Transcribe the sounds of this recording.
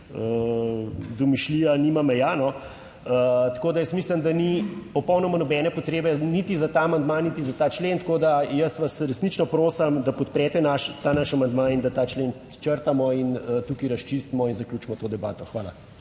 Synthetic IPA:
ə | d̪ɔmiʃliːjanimamɛjanɔ | ət̪koːd̪ajəsmisləmd̪anipɔpɔwnɔmanɔbɛːnɛpɔt̪ɾeːbɛnit̪izat̪aːmand̪manit̪izat̪aːt͡ʃlent̪koːd̪ajəsʋasɾɛsnit͡ʃnɔpɾoːsɐmd̪apɔt̪̚pɾɛt̪ɛnaʃt̪aːnaʃamand̪manind̪at̪aːt͡ʃlen | t͡ʃəɾt̪amɔinət̪uːkiɾɐʃt͡ʃist̪mɔinzaklʲjuːt͡ʃmɔt̪oːd̪ɛba̰ːt̪ɔxʋaːla̰

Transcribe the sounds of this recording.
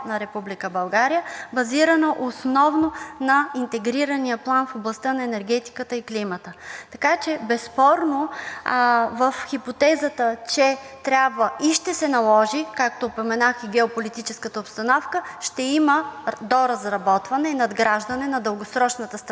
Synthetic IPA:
nɐɾɛpublikəbɐlˠɡaɾijəbɐziɾɐnəʔosnɔvnonɐint̪ɛɡɾiɾɐnijəplˠanfoblˠɐst̪ənɐɛnɛɾɡ̟ɛt̪i̥kət̪əiklimət̪ət̪ɐkat͡ʃɛbɛspɔɾno | vəfxipot̪ɛzət̪ət͡ʃɛt̪ɾʲjabvəiʃt̪ɛsɛnɐlˠɔʒikak̚t̪oːpomɛnaxiɡɛopolit̪it͡ʃɛskət̪əopst̪ɐnɔfkəʃt̪ɛiməd̪oɾɐzɾɐbɔt̪vɐnɛinɐd̪ɡɾaʒd̪ɐnɛnɐd̪əlˠɡosɾɔt͡ʃnɐt̪əst̪

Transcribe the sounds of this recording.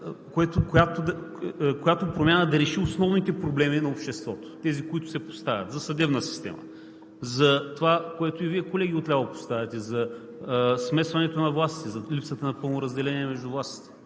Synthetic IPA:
koɛt̪ʊkojat̪od̪ɐkojat̪opɾomʲjanəd̪ɐɾɛʃiosnɔvnit̪ɛpɾoblɛminɐopʃt̪ɛst̪vɔt̪o̥t̪ɛzikoit̪ʊ̥sɛpo̥st̪avʲɐ̰t̪zɐsɐd̪ɛvnəsi̥st̪ɛ̰mɐ̰ | zɐt̪ovakoɛt̪ʊiviɛkolɛɡʲiʊot̪lʲavˠɐpo̥st̪avɛt̪ɛzɐ | smɛsvɐnɛt̪onɐvlˠasit̪ɛzɐlipsət̪ənɐpɤlˠnoɾɐzd̪ɛlɛniɛmɛʒd̪ʊvlˠast̪i̥t̪ɛ̥

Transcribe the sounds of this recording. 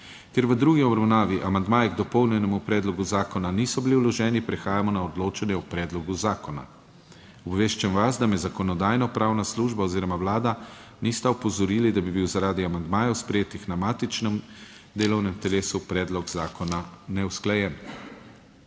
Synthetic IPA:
k̪jɛɾʋəd̪ɾuːɡiɔbɾawnaːʋiʔamand̪maːjɛɡd̪ɔpɔwnjɛnɛmupɾɛːd̪lɔɡuzaːkɔnaniːsɔbiliwlɔʒɛːnipɾɛxaːjamɔnaɔd̪loːt͡ʃanjɛupɾɛːd̪lɔɡuzaːkɔna̰ | ɔbʋeːʃt͡ʃɛmʋazd̪amɛzakɔnɔd̪aːjnɔpɾawnasluʒbaɔziːɾɔmawlaːd̪a | nist̪ɛɔpɔzɔɾiːlid̪abibiwzaɾaːd̪iamand̪maːjawspɾɛjeːt̪ixnamaːt̪it͡ʃnɛm | d̪eːlɔwnɛmt̪ɛleːsupɾɛːd̪lɔɡzaːkɔnanɛwsklajɛn

